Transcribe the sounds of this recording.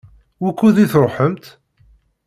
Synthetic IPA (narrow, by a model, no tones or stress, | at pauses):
wækːuðiθɾˤoħəmt̪